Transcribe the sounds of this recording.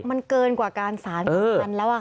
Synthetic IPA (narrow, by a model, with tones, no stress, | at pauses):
ma˧nkɤː˧nkwaː˨˩kaː˧nsaː˩˦nɤː˧a˧˦nlɛː˦˥wʔa˨˩